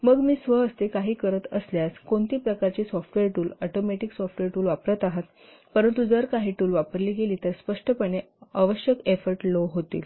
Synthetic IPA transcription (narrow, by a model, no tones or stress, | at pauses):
məɡmiːsʋəəst̪ekaɦiːkəɾət̪əsljaskoɳt̪iːpɾəkaɾt͡ɕiːsɔfʈʋeɾʈuːlɔʈomeʈiksɔfʈʋeɾʈuːlʋapɾət̪aɦat̪ | pəɾənt̪ud͡zəɾkaɦiːʈuːlʋapəɾliːɡeliːt̪əɾspəʂʈəpəɳe | aʋəɕjəkefəɾʈloɦot̪ḭːl